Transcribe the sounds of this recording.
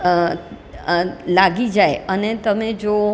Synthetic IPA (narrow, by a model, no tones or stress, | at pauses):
laɡid͡ʒaeənet̪əmẽd͡ʒo